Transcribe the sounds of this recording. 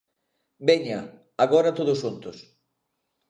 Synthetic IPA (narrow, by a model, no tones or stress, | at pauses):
beɲɐ | aɣɔɾɐt̪oðʊsʃunt̪ʊs